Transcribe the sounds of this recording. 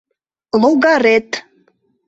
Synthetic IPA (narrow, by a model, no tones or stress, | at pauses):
loɣɑɾet̪